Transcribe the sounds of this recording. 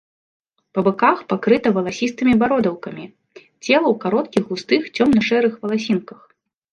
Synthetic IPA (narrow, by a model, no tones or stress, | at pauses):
pɐbɨkaxpakɾɨt̪ɐvɐlˠasʲist̪ɨmʲibaɾɔd̪ɐwkɐmʲi | t͡sʲɛlˠɐwkaɾɔt̪kʲiɣɣust̪ɨxt͡sʲɔmnɐʂɛɾɨxvɐlˠasʲinkɐx